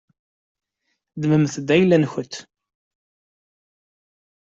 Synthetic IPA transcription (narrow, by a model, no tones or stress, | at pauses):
d̪məmθd̪æjlːænçət̪ː